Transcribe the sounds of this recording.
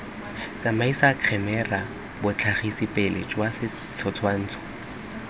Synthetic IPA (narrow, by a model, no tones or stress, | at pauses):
t͡sʼamaisakʰɛmɛra | bʊt͡ɬʰaχisipʼelḛt͡ʃʼwasɪ | t͡sʰɔt͡sʰwan̩ːt͡sʰɔ̥